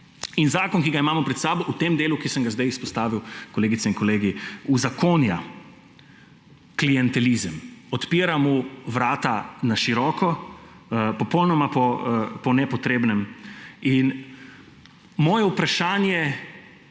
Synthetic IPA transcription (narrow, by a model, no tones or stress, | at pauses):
inzaːkɔnkiɡaimaːmɔpɾɛt̪saːbɔut̪emd̪eːlukisə̃ŋɡazd̪ajispɔst̪aːʋiwkɔleːɡit̪sɛiŋkɔleːɡiuzakoːnja̰ | klijɛnt̪ɛlizəmɔt̪piːɾamuʋɾaːt̪anaʃiɾɔːkɔ | pɔpɔwnɔmapɔpɔnɛpɔt̪ɾeːbnɛmin | mɔːjɛupɾaʃaːnjɛ